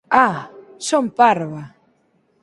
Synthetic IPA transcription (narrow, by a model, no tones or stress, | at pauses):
a | sompaɾwa